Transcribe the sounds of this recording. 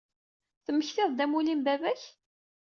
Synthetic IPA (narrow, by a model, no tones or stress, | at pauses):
θəmːəçθɪðˤd̪æmulimbævæç